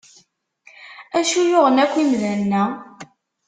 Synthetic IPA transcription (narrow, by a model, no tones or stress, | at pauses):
æʃujʊʁənækʷːimðænːæ